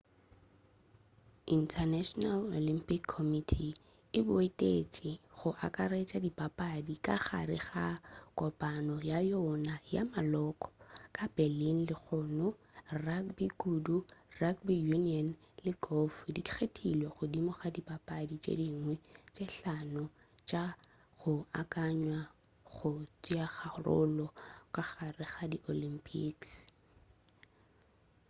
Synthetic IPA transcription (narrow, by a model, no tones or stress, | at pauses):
intʰanaʃɔnalolim̩pʼikʰːɔmitʰi | ɪbʊetʼet͡ʃʼɪχʊʔakʼaɾet͡ʃʼadipʼapʼadikʼaχa̰rɪχakʼɔpʼanɔjajɔnaja̰malɔkʼɔ̥kʼabɛlin̩lɪχʊnʊrakbiɡudurakbijuniɔn | lɪɡɔfdikʰiχetʰʼilweχʊdimɔχadipʼapʼadit͡ʃʼḛdiŋwɛt͡ʃʼeɬanɔ | t͡ʃʼa | ɣʊakʼaɲwa | ɣχʊt͡ʃʼjaχarʊ̰lɔkʼaɣarɪχadiʔolimpʼiks